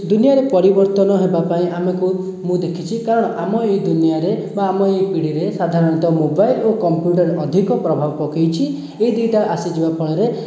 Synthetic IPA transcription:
d̪unijaɾepɔɾibɔɾt̪ɔnɔɦebapaĩʔameku | mũd̪ekʰit͡ʃʰikaɾɔɽ̃ɔʔamɔejd̪unijaɾebaːmɔejpiɽiɾesad̪ʱaɾɔɽ̃it̪ɔmobajlokɔmpjuʈ̬aɾɔd̪ʱikɔpɾɔbʱabɔpɔkejt͡ʃʰi | eid̪it̪aʔasid͡ʒibapʰɔɭ̃ɔɾe

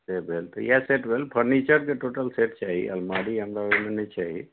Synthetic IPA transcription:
sebʱelt̪ɔjaseʈbʱelpʰəɾnit͡ʃəɾkeʈoːʈəlseʈ̚t͡ʃaːɦḭə̰lmaɾiənd̪aemenət͡ʃaːɦḭ

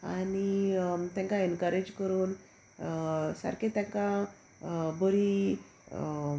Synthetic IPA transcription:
anit̪jãŋkaɛnkəɾed͡ʑkəɾuːn | sa̰ɾkẽt̪jãŋkã | bəɾi

